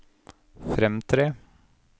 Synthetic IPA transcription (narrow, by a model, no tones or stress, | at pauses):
fɾɛmt̪ʰɾeː